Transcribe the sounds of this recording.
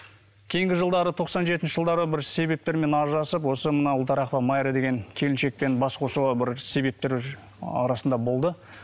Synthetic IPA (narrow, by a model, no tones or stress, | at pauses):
kʲʰe̞jɪŋɡʲɪʒəlˠd̪ɑɾət̪ʰo̞qsɑnʒe̞t̪ɪnʃɪʒəlˠd̪ɑɾəbɪɾse̞be̞p̚t̪e̞ɾme̞nɑʒɑsəp̬wo̞səmənɑʊlˠt̪ɑɾɑqvɑmɑjɾed̪e̞ɡʲe̞ŋkʲʰe̞lɪnʃe̞k̚pe̞nbɑsqʰo̞suʁɑbɪɾse̞be̞p̚t̪e̞ɾ | ɑ̰ɾɑsənd̪ɑbo̞lˠd̪ə